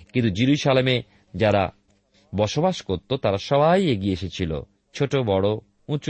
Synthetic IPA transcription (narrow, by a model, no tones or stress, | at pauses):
kint̪ud͡ʑiɾuʃaleme | d͡ʑaɾa̰ | bɔʃobaʃkoɾt̪ot̪aɾaʃɔbajeɡieeʃet͡ɕʰilo̰ | t͡ɕʰoʈobɔɽo | ũt͡ɕ